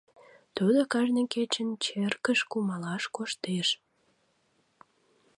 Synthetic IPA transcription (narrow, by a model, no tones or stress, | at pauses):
t̪ud̪okɑʒnəket͡ɕənt͡ɕerkəʃkumɑlɑʃkoʃt̪eʃ